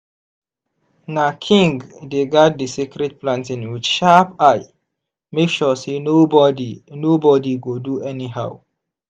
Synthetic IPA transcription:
nakʰĩŋɡdeɡat̚disikɾɛd̚plãntĩnwit͡ʃʃapaɪ | mekʃɔsenobɔdinobɔdiɡoduɛniɦaw

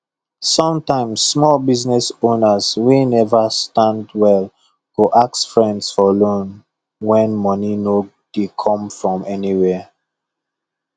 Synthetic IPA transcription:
sɔ̃mtãɪ̃msːmɔlbiznɛsõnəzwenɛvəstãndwɛl | koʔaksfɹɛ̃ndsfɔlõn | wɛ̃nmɔnino | d̥ekʰɔ̃mfɹɔ̃mɛniwɛ

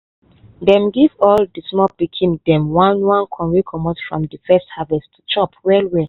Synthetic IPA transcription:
dɛ̃mɡivɔldismɔpikʰĩndɛ̃mwãnwãnkʰɔ̃nɹikʰɔmɔtfɹɔ̰̃mdəfɛsthavɛstʰu̥t͡ʃɔpwɛlwɛ

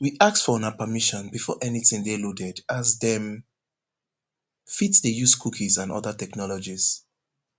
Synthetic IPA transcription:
wiʔak̚tfɔɔ̃napəmiʃɔ̃nbifɔ̰ʔɛniθɪ̃ŋdelodɛdazðɛ̃m | fitsðejuskʰukʰizãnʔɔ̰ðətɛknɔlɔd͡ʒiz̥

